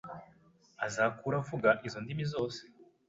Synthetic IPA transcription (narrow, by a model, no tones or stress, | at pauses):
azaːkuːɾavuɡaʔizo̞ndimizo̞ːse̥